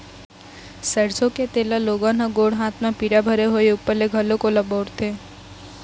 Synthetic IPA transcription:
səɽsõket̪eːlaloːɡãnaɡoːɽɦãːt̪ʰmãpiɾabʱəɾeɦoeʊpːəɾleɡʱɐlõkolɐboːɾt̪ʰeː

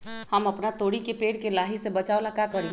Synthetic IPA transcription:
həməpnat̪oɽikepeːɽkelaɦisebət͡ʃaolakakəɾi

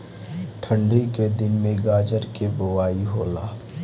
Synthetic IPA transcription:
ʈʰə̃ɳɖʱiked̪ɪnmẽɡaːd͡ʒəɾkebʊʋaːiɦoːlaː

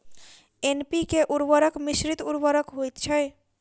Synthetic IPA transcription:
enpikeʔuɾʋəɾəkmisɾit̪uɾʋəɾəkɦojt̪t͡ʃʰɛj

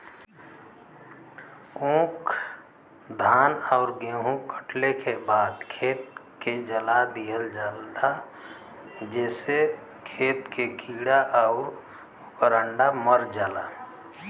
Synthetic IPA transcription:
õːkʰ | d̪ʱaːnɔʊɾɡeːɦũkəʈʰlekebaːd̪kʰeːt̪̚ | ked͡ʒəlad̪ijəld͡ʒəld̪a | d͡ʒɛːse | kʰeːt̪kʰekiːɽaʔɔʊɾ | ʊkəɾəɳɖaməɾd͡ʒala

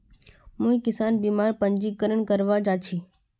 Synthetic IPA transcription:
mũːĩkɪsaːnbiːmaːɾpəɲd͡ʒikəɾəɳkəɾʋad͡ʒat͡ʃʰiː

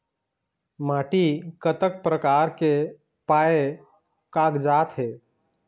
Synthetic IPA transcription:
maːʈikət̪ək̚pɾəkaːɾke | paːe | kaːkd͡ʒaːt̪ɦeː

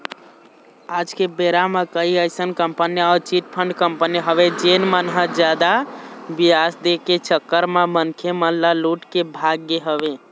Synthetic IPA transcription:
ad͡ʒkebeɾamekəiəɪsənkəmpəniɔːɾt͡ʃiʈpʰəɳɖkəmpəniɦəβed͡ʒenmənɦəd͡ʒjad̪abijasd̪eket͡ʃəkːəɾmemənkʰemənlaluʈkebʱaɡːeɦəbe

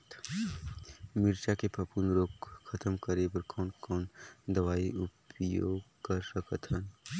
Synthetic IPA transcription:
t̪ | mɪɾt͡ʃakepʰɐpunɾoːkkʰːət̪əmkəɾebəɾkɔːnkɔːnd̪əʋaːiʔʊpjo̰ːɡkɐɾsəkət̪ʰɦən

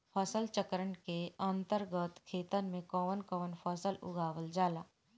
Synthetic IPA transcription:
pʰəsəlt͡ʃəkɾəɳkeə̃nt̪əɾɡət̪kʰeːt̪ənmẽkɔːʋənkɔːʋənpʰəsəlʊ̰ɡaːʋəld͡ʒaːlaː

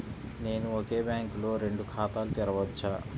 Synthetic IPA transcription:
ne̞ːnuoke̞ːbjaːŋkulo̞ːɾe̞ɳɖukʰaːt̪aːlut̪iɾɐʋɐt͡ʃːa

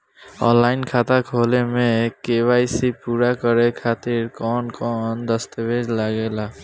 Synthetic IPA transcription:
ɔ̰̃nlːaːɪnkʰat̪akʰolemẽkewaːisipuːɾakəɾekʰaːt̪iɾkɔnkɔnd̪əst̪əbʱed͡ʒlaɡela

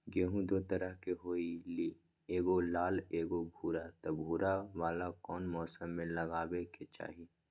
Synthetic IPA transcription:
ɡeːɦũd̪oːt̪ɐɾəɦkeɦoːiliː | eːɡolaːleːɡobʱuːɾat̪ɐbʱuːɾaʋaːlakɔːnmɔːsəmːẽlɐɡaːweket͡ʃa̰ːɦiː

